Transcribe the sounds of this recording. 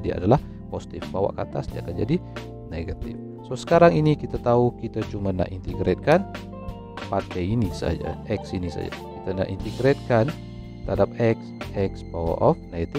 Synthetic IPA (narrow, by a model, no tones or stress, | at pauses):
dia̰dalah | posi̥t̪ifbawa̰ʔkat̪a̰sdia̰kand͡ʒa̰di | neɡat̪ɪ̰f | sosə̥kaɾaŋinikit̪at̪aukit̪at͡ʃumana̰ʔint̪iɡɾet̪̚kan | pat̪ɛinisa̰d͡ʒa̰ʔɛksinisa̰d͡ʒa̰kit̪ana̰ʔḭnt̪iɡɾet̪̚kan | t̪əɾhadap̚ɛksɛksbawa̰ʔɔfneɡat̪i